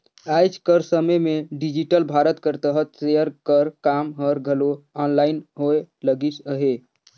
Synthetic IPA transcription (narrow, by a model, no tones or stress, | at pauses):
ajt͡ʃʰkəɾsəməmeɖid͡ʒiʈəlbʱaɾət̪kəɾt̪əɦət̪sejəɾkəɾkamɦəɾɡʱəloɔnlaɪnɦoeləɡisəɦe